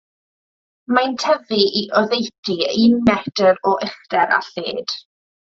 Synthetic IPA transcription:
mantʰɛviʔiʔɔðejtʰiimɛdəɾɔʔɪχd̥ɛɾa̰ɬḛːd̥

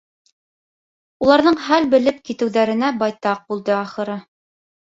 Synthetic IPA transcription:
ulˠɑɾðɤɴχælbɘ̆lɘp̚kit̪ɘ̆wðæɾɘ̆næbɑjt̪ɑq̚bulˠd̪ɤɑχɤ̆ɾɤ

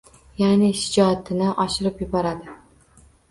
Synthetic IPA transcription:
janɪʃɪd͡ʒɒt̪ʰɪnɪʔɒʃɪɾɪpjʊbɒɾad̪ɪ

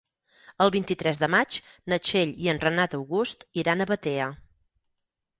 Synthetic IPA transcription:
əlˠβint̪it̪ɾɛzðəmat͡ʃ | nət͡ʃeʎiənrənat̪əwɣust̪iɾanəβət̪eə

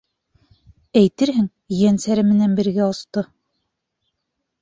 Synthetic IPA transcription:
æjt̪ɘɾɦɘŋ | jænsæɾɘmɘ̆nænbɘ̆ɾɡæɑst̪ɤ

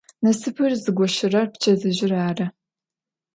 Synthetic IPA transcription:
nɐsɨpʰɨrzɨɡʷɔʃɪrɐrpt͡ʃʰɐzɨʑɪraːrɐ

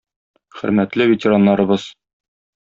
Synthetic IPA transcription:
χɘ̰̆ɾmæt̪lɘvetʲɪɾɑnːɑɾɤ̆bɤz̥

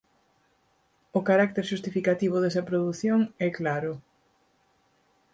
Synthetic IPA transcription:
ʊkaɾak̚t̪eɾʃust̪ifikat̪iβ̞ʊðɛsɐpɾoðuθjoŋɛklaɾʊ

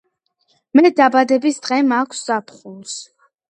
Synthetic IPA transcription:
mɛd̪abad̪ɛbisd̪ʁɛmakʷʰszapʰχuns

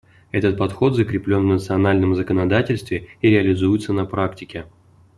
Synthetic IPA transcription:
ɛt̪ət̪̚pɐt̪xo̞t̪zəkɾʲɪplʲo̞nvnət̪sɨɐnalʲnəmzəkənɐd̪atʲɪlʲst̪vʲɪiɾʲɪɐlʲɪzujɪt̪sənɐpɾaktʲɪkʲɪ

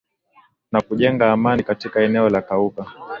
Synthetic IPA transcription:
nakuʄɛŋɡaːmanikatikaɛnɛɔlakauka

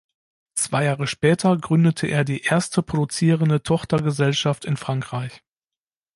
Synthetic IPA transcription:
t͡sv̥aɪjaːʁəʃpɛːtʰɐɡʁʏndətʰəʔḛːɐdiːʔeːɐstəpʁ̥odut͡siːʁəndətʰɔχtɐɡəzɛlʃaftɪnfʁ̥aŋkʁ̥aɪç

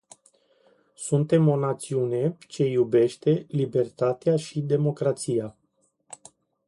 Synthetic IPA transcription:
sunt̪e̞mo̞nat̪siune̞t͡ʃe̞jube̞ʃt̪e̞libe̞rt̪at̪eaʃid̪e̞mo̞kɾat̪sija

